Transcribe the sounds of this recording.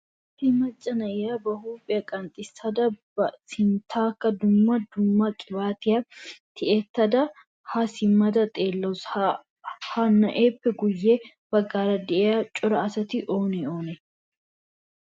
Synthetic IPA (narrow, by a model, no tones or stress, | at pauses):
t̪ɪmɐt͡ʃʼːɐnɐʔɪjabɐhuːpʼːɪjɐkʼɐnt̪ʼːɪsɐd̪ɐbɐsɪnt̪ʰaːkːɐd̪ʊmːɐd̪ʊmːɐkʼɪbaːt̪ɪjɐt̪ɪʔet̪ːɐd̪ɐ | hɐsɪmːɐd̪ɐt̪ʼe̞ːlːɐws | hɐnɐʔeːpːɛɡʊjːe | bɐɡaːɾɐd̪ɛʔejat͡ʃʼɔɾɐɐsɐt̪ɪʔo̞ːnɛoːnɛ